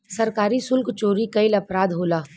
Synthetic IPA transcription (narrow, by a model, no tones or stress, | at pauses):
sɐɾkaːɾisʊlkt͡ʃoːɾikɐɪlɐpɾaːd̪ɦoːlaː